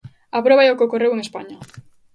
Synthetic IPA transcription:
apɾoβaɛokokoreweŋespaɲa

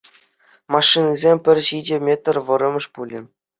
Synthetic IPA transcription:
mɑʂːinʲizʲemʲpʲɘ̆rʲɕid͡ʑʲɘ̆mʲet̪̆ʲrʲʋɤ̆ɾɤ̆mʲɤ̆ʂpulʲɘ̰̆

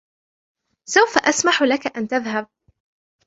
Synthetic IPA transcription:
sawfaʔasmaħlakaʔant̪aðɦab̚

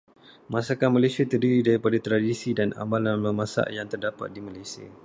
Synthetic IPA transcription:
mãsakanmalajsiat̪ərdiɾidaɾipadat̪ɾadisidana̰mãlanlamãsa̰ʔjaŋt̪ərdapa̰t̪̚dimalajsia̰

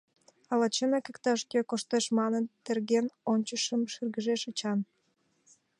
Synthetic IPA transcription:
ɑlɑt͡ɕenɑkekt̪ɑʃkekoʃt̪eʃmɑnənt̪erɣenonʲt͡ɕəʃəmʃyrɣəʒeʃət͡ɕɑn

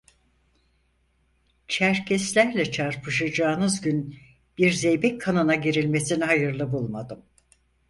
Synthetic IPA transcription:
t͡ʃʰæɾcʰɛslʲæɾlʲɛt͡ʃʰaɾpʰɯʃad͡ʒaːnɯzɟyn | b̥iɾzejbɛcʰkʰanɯnaɟeɾilʲme̞siniɦajɯɾlˠɯbulˠmad̪ɯm

